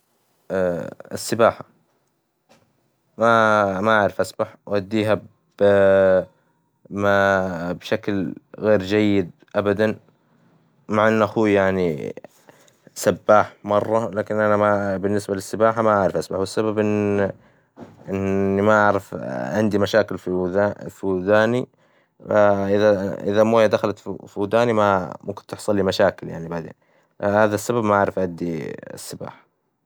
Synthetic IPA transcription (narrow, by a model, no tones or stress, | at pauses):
ɪsːɪbaːħa | mamaʔaʕɾɪfʔasbaħwʔad̪ːiːɦa | b̥ | mabʃaklɣeːɾd͡ʒajːɪd̪̚ | ʔabad̪an | maʕʔɪnːʔaxuːjaʕni | sabːaːħmɑrˤːɑlaːkɪnʔanamabɪnːɪsbalɪsːɪbaːħamaʔaʕɾɪfʔasbaħwɪsːababʔɪ | ʔɪnːimaʔaʕɾɪfʕɪnd̪imaʃaːkɪlfafid̪aːni | aʔɪðaʔɪ̰ðamoːjad̪axalat̪ffud̪aːnimamʊmkɪnt̪ːɪħsˤɑlːimaʃaːkɪlja̰ʕnibad̪a̰ | haːðasːababmaʕaʕɾɪfʔad̪ːḭsːɪba̰ːħḁ